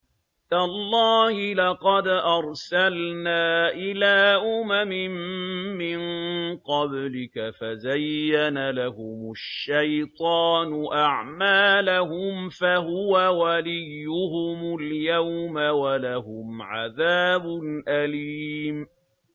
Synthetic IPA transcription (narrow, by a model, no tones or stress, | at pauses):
t̪alˤːɑːhɪlɑqɑd̪ʔɑɾˤsalnaːʔɪlaːʔʊmamɪmmːɪnqɑblɪkafazajːanalahʊmʊʃːajt̪ˤɑːnʊʔaʕmaːlaɦʊmfahʊwawalɪjːʊɦʊmʊljawmawalaɦʊmʕaðaːbʊnʔaliːm